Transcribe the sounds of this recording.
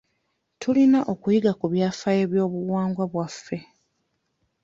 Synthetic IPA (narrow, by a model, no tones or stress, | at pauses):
tʰulinaʔo̞kujiɡakuβjaːfaje̞ːβjo̞ːβuwaːŋɡwaβwafːe̞